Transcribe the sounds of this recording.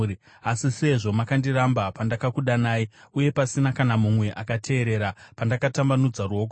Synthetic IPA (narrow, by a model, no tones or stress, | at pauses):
i | asise̞ʐo̞makandirambapandakakuɗanaːiuje̞pasinakanamumwe̞ʔakatʰe̞ːɾe̞ːɾapandakatambanud͡zaruoːk̬o